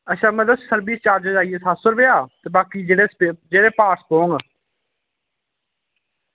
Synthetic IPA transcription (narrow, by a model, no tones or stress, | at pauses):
əʃãːməd̪əsəɾbiːst͡ʃaːɾd͡ʒəd͡ʒaːijeːsaːsʊɾbeːaːt̪eːbaːkiːd͡ʒeɽeed͡ʒeːɽeːpaːʈspõːŋɡ